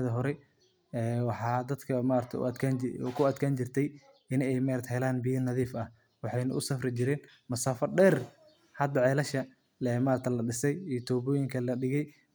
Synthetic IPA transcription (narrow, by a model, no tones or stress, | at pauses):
ðɐɦɔɾɛj | ɛːwɑħɑːd̪ɐd̪kʰɐmaːɾɾt̪ʰɐ̰ɐkʰakʰʊɐd̪kʰaːnt͡ʃɪrt̪ʰɛj | ɪnɛjmaɾt̪hɛlaːnbijɐnɐðiːfɐh | wɑħɑjnɐʔʊsɐfrɪt͡ʃɪɾɛːn | mɐsaːfɐrɖɛːr | hɐd̪ɐʕɛːlɐʃɐ | ɛmaːɾt̪ʰɐlɐɖɪsɛjiːjt̪ʰɔːβɔːjɪŋkʰɐlɐɖɪɣɛj